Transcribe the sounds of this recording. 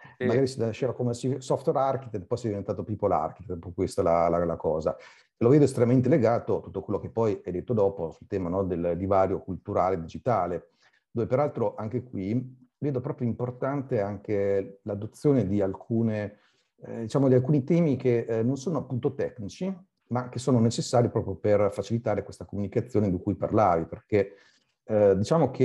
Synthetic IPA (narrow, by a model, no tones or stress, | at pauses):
mmaɡaːɾisinlaʃːeːvakomesisɔft̪weɾarkit̪et̪̚pɔjsɛd̪ivent̪aːt̪opiːpːola̰rkit̪et̪pɔkwest̪ala̰lalakɔːza̰ | eloveːd̪oest̪ɾemament̪̬eleɡaːt̪ot̪ut̪ːokwelːok̟epːɔjɛd̪et̪ːod̪ɔːposult̪ɛːmanɔd̪eld̪ivaːɾjokult̪uɾaːled̪id͡ʒit̪aːle | d̪oːvepeɾalt̪ɾoʔaŋk̟ekwiveːd̪opɾɔːpɾjoimport̪ant̪eaŋk̟elad̪ot̪sːjoːned̪ialkʰuːne | d̪it͡ʃaːmod̪ialkuːnit̪ɛːmikenːonsoːnoapːunt̪ot̪ɛknit͡ʃi | mak̟esoːnonet͡ʃesːaːɾjipɾɔːpɾjoperfat͡ʃilit̪aːɾekwest̪akomunikat̪sːjoːned̪ikujpa̰rlaːviperke | d̪it͡ʃaːmok̟ʰe